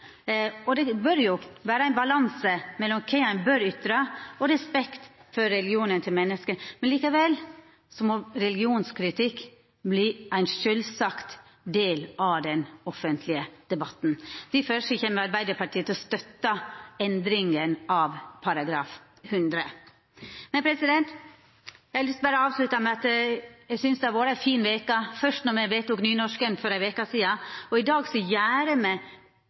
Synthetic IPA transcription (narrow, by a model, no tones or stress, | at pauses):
ɔd̪ɛbœɾjʊʋæːɾəæɪnbɑlɑnsəmɛlːɔmkʰɛɑnbøɾʏt̪ːɾɑɔɾɛspɛkt̪fɔɾːɛlɡɪuːnənt̪ʰɪlmɛnːəskəmɛnliːkəʋɛl | sɔmɔɾɛlɪɡɪuːnskʰɾɪt̪ʰɪkː | bliːʔæɪnʂœlsɑkt̪ | d̪eːlɑʋd̪ɛnɔfənt̪ʰlɪəd̪̥ɛbɑt̪ːn̩d̪̥ɪfœʂɔçɛmːəɾɑɾbæɪd̪əɾpɑʈʰiːət̪ɪɔst̪œt̪ːɑɛnd̪ɾɪŋənɑʋpʰɑɾɑɡɾɑːf | hʉnd̪ɾə | mɛnpʰɾɛsɪd̪ɛnt̪ | æɪhɑlʏst̪̚bæːɾəɑːʋslʉt̪ɑmɛɑt̪jæɪsʏnsd̪ɛæʋoːɾəæfiːnʋeːkɑfœʂt̪nɔɾmɛʋeːt̪ʊknyːnɔʂkənfɔɾæʋeːkɑsiːɑɔɪd̪ɑːɡsɔjæːɾəmɛ